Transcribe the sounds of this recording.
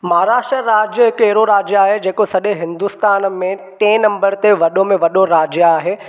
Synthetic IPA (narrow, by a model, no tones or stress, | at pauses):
maɦɾaːʃʈɾəɾaːd͡ʑjəɦɪkeɦɪɾoɾaːd͡ʑjaːɦed͡ʑeːkosɐɗeɦɪ̃nd̪ʊst̪aːnmẽʈẽːnɐ̃mbəɾt̪eʋɐɗomẽʋɐɗoɾaːd͡ʑjaːɦeː